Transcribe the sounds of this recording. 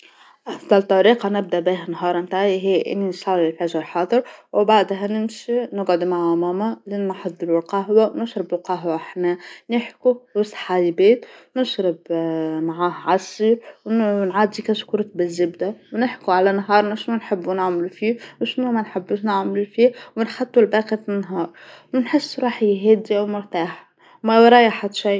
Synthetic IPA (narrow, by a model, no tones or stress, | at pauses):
ʔɑfd̪ˤɑlt̪ˤːɑɾiːqɑnɪb̚d̪æʔbiːɦænɦɑːɾˤmt̪aːʕiɦijːʔɪ̰nːinsˤɑllfæːʒlħɑːd̪ˤɨɾwbaʕd̪ɦænɪmʃinɪɡʕʊd̪maʕamæːmælinːħɑd̪ˤːɨlulqɑɦwawnɪʃɾɪbɪlqɑɦwaʔaħnænɪħkuwɪsˤħajbeːt̪nɪʃɾɪbmaʕaːhʕɑsˤːiːɾwnʕaːd̪ikæskuɾˤt̪̚bɪzːɪbd̪awnɪħkuʕalænɦɑːɾˤnaʃnunħɪbːunɪʕmlufiːwʃnumænħɪbːuʃnɪʕmlufiːwɪnxɑt̪ˤːulbæːqifɪnːɦɑːɾˤwnħɪsːɾˤuːħiɦɛːd̪iawmʊɾt̪aːħ | mæwɾˤɑjʔaħad̪ʃiː